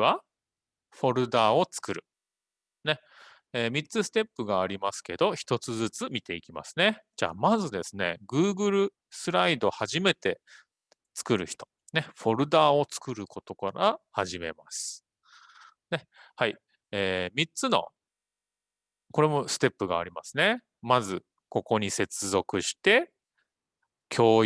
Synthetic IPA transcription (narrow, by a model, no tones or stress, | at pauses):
βa | ɸo̞ɾɯ̟d̪aːo̞t͡sɨ̥kɯ̟ɾɯ̟̰ | ne̞ | eːmʲit͡sɨsɨ̥t̪e̞pːɯ̟ɡaːɾʲimasɨ̥ke̞d̪o̞çi̥t̪o̞t͡sɨzɨt͡sɨmʲit̪e̞ikʲima̰sɨ̥ne̞d͡ʑa̰ːmazɨd̪e̞̰sɨne̞̰ɡɯ̟ːɡɯ̟ɾɯ̟ | sɨɾaid̪o̞haʑime̞t̪e̞ | t͡sɨ̥kɯ̟ɾɯ̟çi̥t̪o̞̥ | ne̞ɸo̞ɾɯ̟d̪aːo̞t͡sɨ̥kɯ̟ɾɯ̟ko̞t̪o̞kaɾahaʑime̞̰masɨ̥ | ne̞hai | eːmʲit͡sɨno̞̰ | ko̞ɾe̞mo̞sɨ̥t̪e̞pːɯɡa̰ːɾʲimasɨne̞ | mazɨ | ko̞ko̞ɲ̟ise̞t͡sɨzo̞kɯ̟ɕi̥t̪e̞ | kʲʰo̞ː